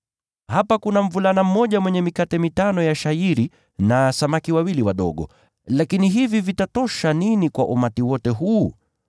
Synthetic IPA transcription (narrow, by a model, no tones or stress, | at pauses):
hapakunam̩vulanam̩mɔʄamwɛɲɛmikatɛmitanɔjaʃaiɾi | nasamakiwawiliwaɗɔ̰ɠɔ̰ | lakiniɦivivitatɔʃaninikwaʔumatiwɔtɛɦuː